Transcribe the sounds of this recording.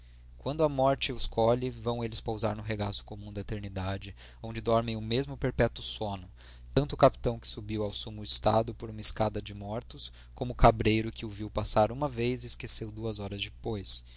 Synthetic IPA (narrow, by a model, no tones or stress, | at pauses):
kwɐ̃nd̪ʊɐmɔɾt͡ʃɪʊskʰɔʎɪvɐ̃w̃elɪspowza̰ɾnʊɦeɡasʊ̥komũd̪ɐet̪eɾnid̪ad͡ʒɪ | õd͡ʒɪd̪ɔɾmẽj̃ʊmezmʊpeɾpɛt̪ʊsõnʊ | t̪ɐ̃nt̪ʊːkapi̥t̪ɐ̃w̃kɪ̥subiwawsumʊɪst̪a̰d̪ʊpoɾũmɐɪskad̪ɐd͡ʒɪmɔɾt̪ʊs | kõmʊkabɾejɾʊkɪʊviwpasaɾũmɐvejzɪskesewd̪uɐzɔɾɐzd͡ʒɪpojs